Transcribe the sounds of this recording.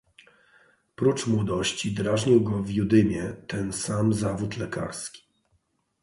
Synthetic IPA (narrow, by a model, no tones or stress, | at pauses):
pɾut͡ʂmwɔd̪ɔɕt͡ɕid̪ɾaʐɲiwɡɔvʲjud̪ɘmʲjɛt̪ɛnsamzavut̪lɛka̰ɾskʲi̥